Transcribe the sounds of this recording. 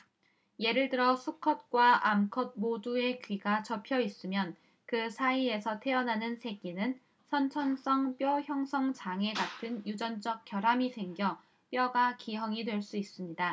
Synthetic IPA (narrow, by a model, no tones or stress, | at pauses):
je̞ɾɯɭtɯɾʌsʰukʰʌt̚k͈waʔamkʰʌd̚modue̞kɥiɡat͡ɕʌpʰjʌis͈ɯmjʌn | kɯsʰaie̞sʰʌtʰe̞ʌnɦanɯnsʰe̞ɡinɯn | sʰʌnt͡ɕʰʌns͈ʌŋp͈jʌçjʌŋsʰʌŋt͡ɕaŋe̞ɡatʰɯnjud͡ʑʌnd͡ʑʌk̚k͈jʌɾɦamisʰe̞ŋɡjʌ | p͈jʌɡakiɦʌŋidwe̞ɭs͈uis͈ɯmɲida